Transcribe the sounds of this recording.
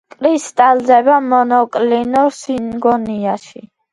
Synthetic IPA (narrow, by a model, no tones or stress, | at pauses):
kʼɾist̪ʼalzɛbamɔnɔkʼlinɔɾsinɡɔniaʃi